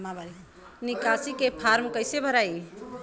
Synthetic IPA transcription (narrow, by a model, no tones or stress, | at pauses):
ab | nikasikepʰaɾmkəɪsebʱəɾaj